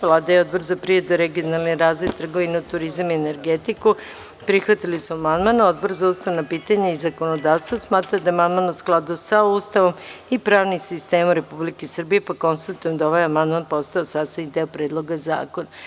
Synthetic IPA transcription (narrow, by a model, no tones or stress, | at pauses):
ʋlˠaːd̪ajeo̞d̪boɾzapɾied̪uɾe̞ɡionalˠniɾaːzʋo̞jt̪r̩ɡo̞ʋineut̪uɾizamiene̞ɾɡet̪iku | pɾixʋat̪ilisuamand̪manao̞d̪̚boɾzaust̪aʋnapiːt̪aɲaizako̞nod̪aːʋst̪ʋosmaːt̪ɾad̪amand̪manusklˠad̪usaust̪aʋo̞mipɾaːʋnimsist̪e̞ːmuɾe̞publikesr̩bije̞pako̞nsit̪ut̪uijomd̪aoʋajamand̪manpo̞st̪aosaːst̪anid̪eopɾe̞ːd̪lˠo̞ɡaza̰ːkona